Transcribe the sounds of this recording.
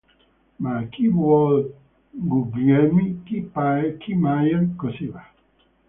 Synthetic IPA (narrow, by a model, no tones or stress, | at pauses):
makibɔl | ɡuɡɛmikipakimajənkosiba